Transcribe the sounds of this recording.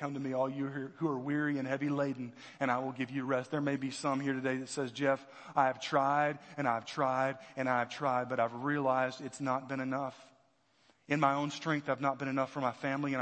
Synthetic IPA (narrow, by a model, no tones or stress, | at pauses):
ʌ̃mtɨmiɔlˠjɨiɹhuə˞wɪɹiɨ̃nhɛvileɪdⁿn̩ | ɨ̃ɾ̃aɪwɪlˠɡɪvjɨɹɛst̪̚ðə˞meɪbisʌ̃mhiɹɾɨdeɪðɨtsɛzd͡ʒɛf | aɪɨv̥tʰɹ̥aɪɾɨ̃ñaɪɨv̥tʰɹ̥aɪɾɨ̃ñaɪɨv̥tʰɹ̥aɪd̚bʌɾaɪvɹiəlaɪzdɨtsnət̚b̥ɨ̃ñɨnʌf | ɨ̃nmaɪõʊ̃nstɹ̥ɛ̃ŋk̚θaɪvnət̚b̥ɨ̃ñɨnʌfə˞maɪfæ̃mliɨ̃n